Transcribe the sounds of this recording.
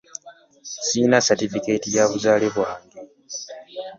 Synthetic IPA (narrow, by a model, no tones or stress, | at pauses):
siːnasatifiketijaβuzaːleβwaːŋɡe